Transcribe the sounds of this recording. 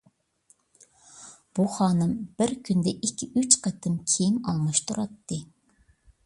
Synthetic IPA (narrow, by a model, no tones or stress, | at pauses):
b̥uχɑːnɨmb̥ɪɾkʲʰynd̪ɛʔikʲʰːiyt͡ʃqʰɛt̪ʰːɨmkʲʰejimɑ̰lˠmɑʃt̪ʰuɾɑt̪ːɨ